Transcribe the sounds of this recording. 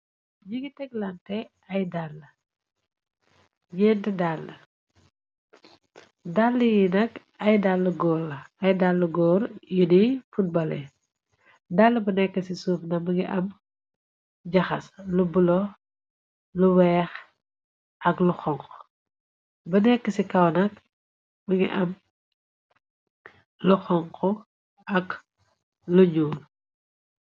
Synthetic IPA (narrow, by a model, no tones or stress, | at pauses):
ɲiɡitɛɡlantɛ | ɐjdalːɐ | ɲɛntidalːɐ | dalːəjinɐk | ɐjdalːɐɡɔːlɐɐjdalːɐɡɔːɾjunifut̚bɐlɛ̰ | dalːɐbɐnɛkːəsisuːfnɐmɐɡiʔɐm | ɟɐxɐslubulɔ | luwɛːx | ʔɐkluxɔŋq | bɐnɛkːəsikɐwnɐk̚ | bɐŋɡḭʔɐm | luxɔŋqɔ | ɐk | luɲuːl